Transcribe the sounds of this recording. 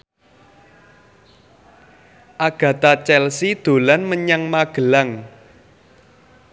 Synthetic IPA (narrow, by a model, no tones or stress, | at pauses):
ʔaɡ̥ä̤t̪at͡ʃɛlsid̪̥o̤lanməɲaŋmaɡ̥ə̤laŋ